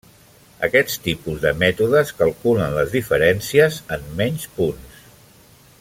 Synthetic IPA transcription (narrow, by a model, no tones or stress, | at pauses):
ə̰kɛst̪ipuzðəmɛt̪uðəskəlˠkulənləzðifəɾɛnsiəzəmːɛɲspuns